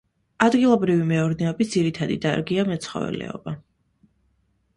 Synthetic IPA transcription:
ad̪ɡilˠɔbɾivimɛɔɾd̪ɛɔbit̪̚d̪z̥iɾit̪ʰad̪ḭd̪a̰ɾɡiamɛt̪sʰχɔ̰vɛ̰lɛ̰ɔ̰ba

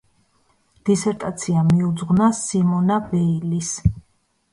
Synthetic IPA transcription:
d̪̥isɛɾt̪ʼat̪sʰiamiud̪zʁnasimɔnabɛilis

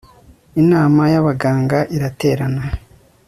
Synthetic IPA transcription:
inaːmajaβaɡaːŋɡaʔiɾate̞ːɾana

